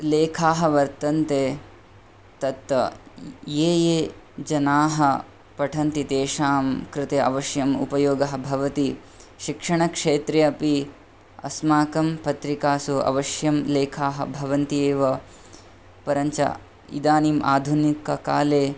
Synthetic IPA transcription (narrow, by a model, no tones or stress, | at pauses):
leːkʰaːɦɐʋɐɾt̪ɐnt̪eː | t̪ɐt̪ːɐjeːjeː | d͡ʒɐnaːɦɐ | pɐʈʰɐnt̪it̪eːʂaːmkɾɪt̪eɐ̰ʋɐʃjɐmṵpɐjoːɡɐɦɐ̆bʱɐʋɐt̪i | ʃikʂɐɳɐkʂeːt̪ɾejɐɐpi | ɐ̰smaːkɐmpɐt̪ɾikaːsuɐ̰ʋɐʃjɐmleːkʰaːɦɐ̰bʱɐʋɐnt̪ieːʋɐ | pɐɾɐɲt͡ʃɐ̰ | ḭd̪aːnimʔa̰ːd̪ʱunikɐkaːleː